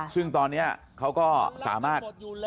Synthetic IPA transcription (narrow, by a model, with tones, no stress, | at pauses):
sɯ˥˩ŋt̪ɔː˧nːi˦˥ɐ | kʰa˦˥wkɔː˥˩sa̰ː˩˦maː˥˩t̪̚